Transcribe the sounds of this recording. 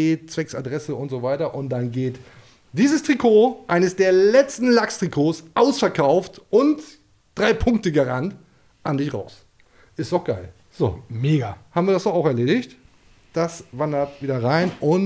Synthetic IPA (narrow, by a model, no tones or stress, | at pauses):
eːt͡sv̥ɛksa̰dʁɛsəʊntz̥oːvaɪtɐʔʊnt̚d̥anɡeːt | d̥iːzəstʁ̥ikʰoːʔaɪnəsd̥eːɐlɛt͡stn̩lakstʁ̥ikʰoːsʔaʊsfɛɐkʰaʊftʔʊnt | d̥ʁaɪpʰʊŋk̚təɡəʁant | ʔandɪçʁa̰ʊs | ʔɪstd̥ɔxɡ̥aɪl | z̥o̰ːmeːɡahaːbm̩viːɐdasd̥ɔχaʊxɛɐleːɾɪçt | d̥asvandɐtv̥iːdɐʁaɪnʔʊn